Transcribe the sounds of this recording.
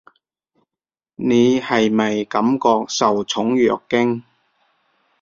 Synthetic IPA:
ne˨˧hɐ˨jmɐ˨jkɐ˨˥mkɔː˧k̚sɐ˨wt͡sʰʊ˨˥ŋjœː˨˩kːɪ˥ŋ

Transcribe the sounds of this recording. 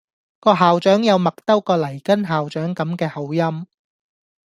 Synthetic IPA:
kɔː˧ɦaː˨wt͡ʃœː˨˥ŋjɐ˨˧wmɐ˨˩k̚t̪ɐ˥wkɔː˧lɐ˨˩jkɐ˥nɦaː˨wt͡ʃœː˨˥ŋkɐ˨˥mkɛː˧hɐ˨˥wjɐ˥m

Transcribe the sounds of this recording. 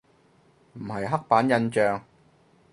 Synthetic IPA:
m̩˨˩hɐ˨jɦɐ˥k̚paː˨˥njɐ˧nt͡ʃœː˨ŋ

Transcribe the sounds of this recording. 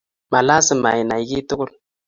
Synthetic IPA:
ma˨la˦si˨ma̰˨ji˨na˨i˦ɡi˦tu˦kʊ˦l

